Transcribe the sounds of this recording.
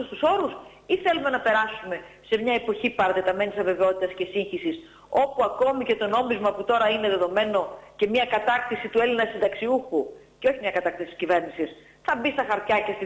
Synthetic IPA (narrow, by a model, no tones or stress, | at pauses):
ust̪uso̞ɾus | iθelume̞nɐpe̞ɾɐsume̞se̞mɲɐe̞po̞çipɐɾɐt̪et̪ɐmenit̪isɐve̞veot̪it̪ɐsce̞siɲçisis | o̞puɐko̞mice̞t̪o̞no̞mizmɐput̪o̞ɾɐine̞ðe̞ðo̞me̞no̞ce̞mɲɐkɐt̪ɐk̚t̪isit̪ue̞linɐsind̪ɐksiuxuceo̞çimɲɐkɐt̪ɐk̚t̪isit̪i̥scive̞ɾnisis | θɐbist̪ɐxɐɾt̪çɐce̞si